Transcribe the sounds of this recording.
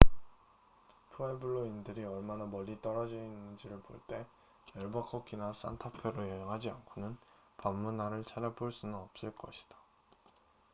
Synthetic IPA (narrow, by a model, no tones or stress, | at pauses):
pʰuebuɭːoindɯɾiʌɭmanamʌʎːit͈ʌɾʌd͡ʑʌinːɯnd͡ʑiɾɯɭpo̰ɭt͈e̞ | kʌɭbakʰʌkʰinas͈ʰa̰ntʰapʰjeɾojʌɲʌŋɦad͡ʑiankʰonɯn | pamːunɦaɾɯɭt͡ɕʰad͡ʑaboɭs͈unɯnʌp̚s͈ɯɭk͈ʌɕʰi̥d̥ḁ